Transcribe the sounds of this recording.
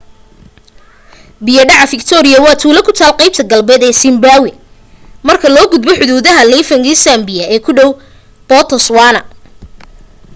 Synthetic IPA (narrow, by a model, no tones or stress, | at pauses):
bɪjɐɖɑʕɑfɪkt̪ʰɔːɾɪjɐwɑːt̪ʰuːlɐkʰʊt̪ʰaːlqɑjb̚t̪ʰɐɡɐlbɛːd̪ɛːsɪmbaːwɪ | mɐrkʰɐlɔːɡʊd̪̚bɔħʊðuːðɐɦɐlɛjfɐŋɡisambɪjɐʔɛːkʰʊɖɔw | b̥ɔt̪ʰɔswaːnɐ